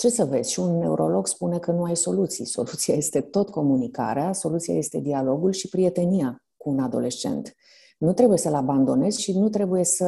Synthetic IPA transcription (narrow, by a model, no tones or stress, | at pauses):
t͡ʃe̞səve̞̰z̥ʲʃiunːe̞uɾo̞lo̞ɡspune̞kənuajso̞lut̪sḭjso̞̰lut̪siaje̞st̪e̞t̪o̞t̪ko̞munika̰ɾeaso̞lut̪sija̰je̞st̪e̞d̪ialo̞ɡulʃipɾie̞t̪e̞nija | kuːnad̪o̞̰le̞t͡ʃe̞̰nt̪ | nut̪ɾe̞buje̞səlaband̪o̞ne̞zʃinut̪̬ɾe̞buje̞sə